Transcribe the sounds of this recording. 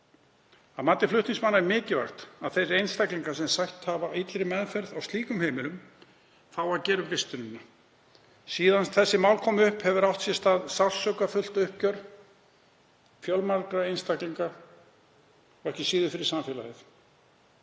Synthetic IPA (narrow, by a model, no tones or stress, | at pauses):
aðmaːt̪ːɪflʏht̪niŋsmanaɛmɪːcɪva̰xt̪aðθejsejnst̪akliŋkasɛmsajht̪havait̪lɾɪmɛðfɛɾðawst̪liːkʏmhejmɪlʏm | θawaɾcɛːɾʏmvɪst̪ʏnʏnːa | siːðant̪θɛsːɪmawlkʰɔːmʏhphɛvʏɾawht̪sjɛst̪aːðsḁsœkafʏl̥t̪ʏhpcœɾ | fjɔlmaɾkɾaejnst̪akliŋka | ɛhcɪsiːðʏfɪɾɪɾsaɱfjɛla̰jɪθ